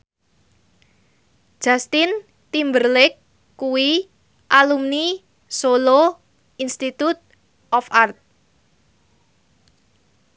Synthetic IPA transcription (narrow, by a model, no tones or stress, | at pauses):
ʒ̥a̤st̪ɪn | t̪imbərlɪkː | uwi | ʔalumni | solo | inst̪it̪ut̪̚ | ʔɔfart̪̚